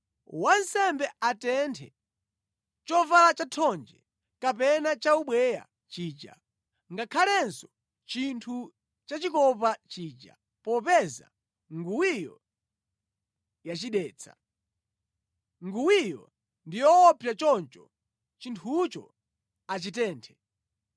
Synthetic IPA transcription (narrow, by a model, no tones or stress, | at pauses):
wansɛmbɛatɛntʰɛ | t͡ʃɔvalat͡ʃatʰɔnd͡ʒɛ̰ | kapɛnat͡ʃauɓwɛja̰ | t͡ʃiːt͡ʃa̰ | ŋɡakʰalɛnsɔ̥ | t͡ʃintʰu | t͡ʃat͡ʃikɔpat͡ʃiːt͡ʃa̰ | pɔpɛza̰ | ŋɡuwijɔ̰ | jat͡ʃiɗɛːt͡sʰḁ | ŋɡuwijɔ̰ | ndijɔːpʰjat͡ʃɔnt͡ʃɔ | t͡ʃintʰut͡ʃɔ̰ | at͡ʃitɛːntʰɛ̥